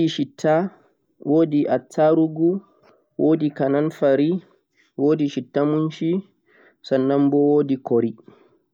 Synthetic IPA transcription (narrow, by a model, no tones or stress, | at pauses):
iʃitʰːa | woːdiʔatʰːaɾuɡu | wʔoːdikananfaɾi | woːdiʃitːamunʃi | sanːambɔwoːdikɔɾi